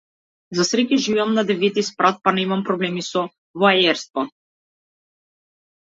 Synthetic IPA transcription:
zasɾɛkʲɛʒivɛamnad̪ɛvit̪ispɾat̪̚panɛimampɾɔblɛmisɔ | vɔaɛɾst̪vɔ

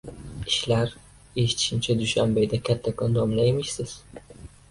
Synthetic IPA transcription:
i̥ʃlʲæɾ | iʃt̪ʰi̥ʃimt͡ʃʰɛd̪yʃænbejd̪ɛkʲʰat̪ʰːakɯnd̪omlˠajmiʃsiz̥

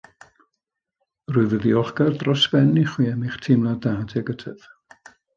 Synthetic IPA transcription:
rʊɨvəðiɔχɡ̥ardrɔsbɛniχwiːɛmiχtʰɪmlˠadaːdʰɛɡətʰəv̥

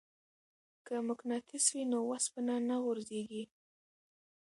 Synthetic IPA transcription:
kəmʊknɑt̪ʰɪswinowaspənanaɣʊɾzeɡi

